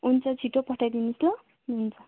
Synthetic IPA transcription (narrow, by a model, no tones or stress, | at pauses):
unt͡sʰʌt͡sʰiʈopʌʈʰajd̪inuslʌ | nunt͡sʰʌ